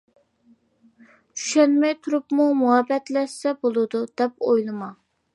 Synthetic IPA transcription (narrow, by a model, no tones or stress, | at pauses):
t͡ʃʰy̥ʃɛnmɛjt̪ʰuɾupmumuɦɛbɛt̪lɛʃsɛbolˠɨd̪ud̪̥ɛp̚ojlˠɨmɑ